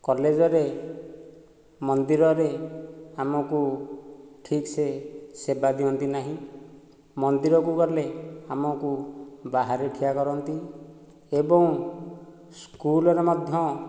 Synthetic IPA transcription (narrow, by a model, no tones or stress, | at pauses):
kɔled͡ʒɔɾe | mɔnd̪iɾɔɾeamɔku | ʈʰiksesebad̪iɔnt̪inaɦĩ | mɔnd̪iɾɔkukɔleamɔkubaɦaɾeʈʰijakɔɾɔnt̪i | ebɔŋ | skulɔɾemɔd̪ʱjɔ